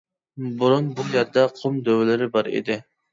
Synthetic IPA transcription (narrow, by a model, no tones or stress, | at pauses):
buɾunbujɛɾd̪ɛqʰʊmd̪øwɪlɪɾɪbɑɾḛd̪ɪ